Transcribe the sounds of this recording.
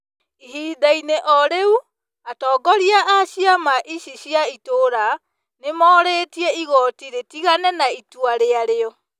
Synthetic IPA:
iɦiːdaineʔɔɾeu | atɔːɡɔɾiaʔaɕiamaʔiɕiɕiaitoːɾa | nemɔːɾetiɛiɣɔtiɾetiɣanɛnaitwaɾeaɾeɔ

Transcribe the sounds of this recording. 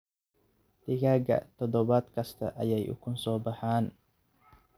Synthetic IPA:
t̪ɪɡaɡa̰ʔt̪ɔd̪ɔbat̪kɐst̪ɐʔɐjajʔṵkʊnsɔːbahaːn

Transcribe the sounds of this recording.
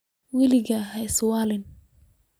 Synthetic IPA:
wɛlɪɣɐɦɛjswɑːlɪn

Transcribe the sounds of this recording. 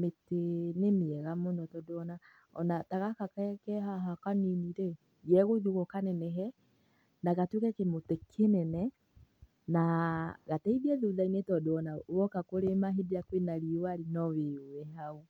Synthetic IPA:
metenemeɛɣamonɔtɔdoɔna | ɔ̰nataɣakakɛkɛɦaɦakaniniɾe | jɛɣoiðuɣɔkanɛnɛɦɛ | naɣatwekɛkemotekʰenɛnɛ | naɣatɛiðiɛðuðainetɔdoɔnawɔkakoɾemaɦediakwenaɾiwaɾinɔwewɛɦau

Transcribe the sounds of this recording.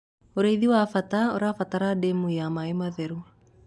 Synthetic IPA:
uɾaiðiwafat̪aoɾafat̪aɾademujamaimaðeɾu

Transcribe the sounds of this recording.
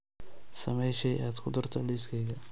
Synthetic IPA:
sɐmɛjʃɛjaːd̪kʰʊd̪ɐrt̪ʰɔliːskʰɛjɣɐ

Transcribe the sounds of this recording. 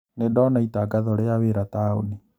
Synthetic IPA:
nedɔnaitaɡaðɔɾeaweɾatao̰ni

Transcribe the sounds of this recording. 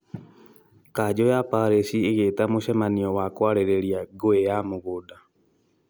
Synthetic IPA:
kaːd͡ʒɔjapaɾesiːɣetamoʃɛmaniɔwakwaɾeɾeɾiaɡoejamoɣoda

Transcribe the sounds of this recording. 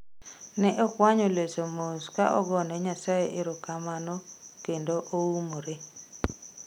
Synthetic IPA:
nɛʔɔkwaɲolesomoskaʔɔɡɔnɛɲasajeʔɪɾokamanokendoʔoumoɾe

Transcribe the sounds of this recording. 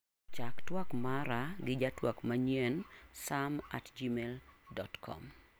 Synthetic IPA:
t͡ʃaktwakmaɾaɡɪd͡ʒatwakmaɲjɛnsama̰td͡ʒimeldɔtkʰɔ̰m

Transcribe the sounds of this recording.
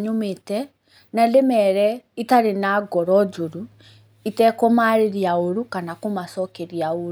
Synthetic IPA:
ɲometɛ | nalemɛɾɛitaɾenaɡɔɾɔd͡ʒoɾu | itɛkɔmaɾeɾiaoɾukanakomasɔkeɾiaoɾ

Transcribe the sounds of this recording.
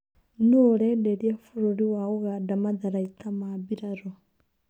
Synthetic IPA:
nooɾedeɾjafuɾoɾiwaɣoɣadamaðaɾaitʰamaβiɾaɾo

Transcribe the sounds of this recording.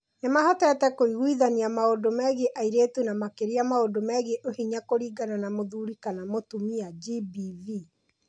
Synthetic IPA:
nemahɔtɛtɛkoiɣwiðaniamaodomɛɣeʔaiɾeːtunamakeɾiamaodomɛɣeʔohiɲakoɾiːɡananamoðuɾikanamotumiad͡ʒibivi

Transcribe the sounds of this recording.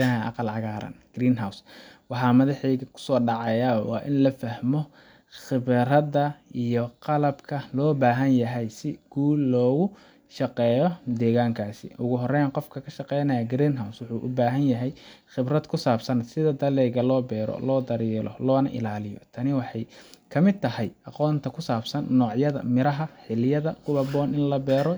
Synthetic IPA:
ɐɦʔɑ̰qɑlʕɑɣaːɾɐ̰nɡɾiːnɦawswɑħɑːmɐðɑħɛjɣɐkʰʊ̥sɔːɖɑʕɑjawɑ̰ːʔɪnlɐfɐhmɔ | χɪβɾɐdɐʔijɔqɑlɐbkʰɐlɔːbaːɦɐnjɐɦɛjsɪɡ̥uːlːɔːɣʊ | ʃɑqɛːjɔd̪ɛːɣaːŋkʰaːsɪ̰ʔʊɣʊɦɔrɛjnqɔfkʰɐkʰɐʃɑqɛjnɐjɐɡɾinɦawswʊħuːʔʊbaːɦɐnjɐɦɛjxɪbrɐd̪kʰʊsaːbsɐnsɪðɐd̪ɐlɛːɣɐlɔːbɛːɾɔ̰lɔːd̪ɐɾiːlɔ̰lɔːnɐʔɪ̰laːlɪjɔ̰t̪ʰɐnɪwɑħɑjkʰɐmɪd̪̚t̪ʰɐɦɛjɑqɔːnt̪ʰɐkʰʊsaːbsɐnːɔːʕjɐðɐ̰mɪɾɐɦɐħɪljɐðɐkʰʊβɐbɔːnɪnlɐbɛːɾɔ

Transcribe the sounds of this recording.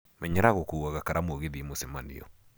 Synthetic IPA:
mɛɲɛɾaɣɔkuaɣakaɾamoɣeðimosemanḭjɔ̰

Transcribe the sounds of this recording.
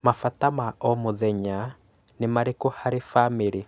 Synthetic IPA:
mafatamaɔmoðɛɲa | nemaɾekohaɾefameɾe

